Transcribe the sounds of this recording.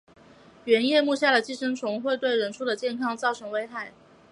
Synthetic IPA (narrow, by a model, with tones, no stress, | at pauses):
ɥɛ˧˥njɛ˥˧mu˥˧ɕja˥˩lə˩t͡ɕi˥˩ʂɤ˥ŋʈ͡ʂʰʊ˧˥ŋxwe˥˧ɪt̪we˥˩ɪɻə˧˥nʈ͡ʂʰu˥˩d̪ə˩t͡ɕjɛ˥˩nkʰɑ˥ŋt͡sɑ˥˩ʊʈ͡ʂʰɤ˧˥ŋwe˥ɪxa˥˩ɪ